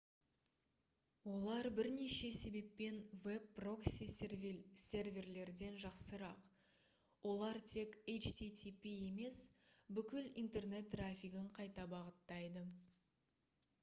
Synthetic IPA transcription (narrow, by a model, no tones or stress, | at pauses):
wo̞lˠɑɾbɪɾneʃe̞se̞be̞pːe̞nvebːro̞ksissʲe̞rvʲe̞rle̞ɾd̪e̞nʒɑqsəɾɑq | wo̞lˠɑɾt̪ʰe̞kʲejt͡ʃt̪ʰit̪ʲʰipie̞me̞sbʏkʲɪlḭnt̪e̞rne̞t̪̚ːrafʲiɡəɴqʰɑjt̪ɑbɑʁət̪ːɑjd̪ə